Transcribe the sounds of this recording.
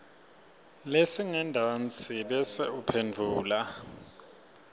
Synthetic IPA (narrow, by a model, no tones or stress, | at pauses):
lesiŋɛndʱawant͡sʰʼiɓɛsɛupʰend͡vʱuːla